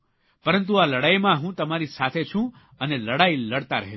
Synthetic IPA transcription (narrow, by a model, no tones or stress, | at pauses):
pəɾənt̪̬ualəɽaimãɦũt̪əmaɾisat̪ʰet͡ʃʰũ | əneləɽailəɽt̪aɾəɦe